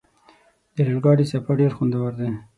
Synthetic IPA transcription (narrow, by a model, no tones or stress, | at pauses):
d̪̥əlelɡɑɽisapaɖeɾxund̪awaɾd̪e